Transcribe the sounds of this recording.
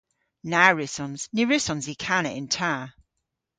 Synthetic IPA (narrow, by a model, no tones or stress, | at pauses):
naɹɪsɔ̃nz̥niɹɪsɔ̃nzikʰanɪʔɪ̃ntʰaː